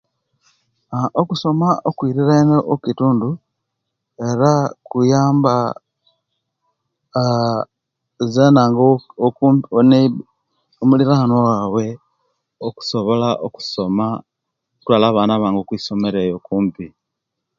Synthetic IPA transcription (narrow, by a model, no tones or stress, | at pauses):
aʔokuso̞maʔokwiːɾiɾaeneʔokituːndu | e̞ɾakujaːmba | zenaːŋɡooone | omuliɾanowawe̞ | oku̥so̞βo̞laʔoku̥soma | okulalaːβaːnaβaːŋɡokwiːso̞meɾejo̞kuːmpi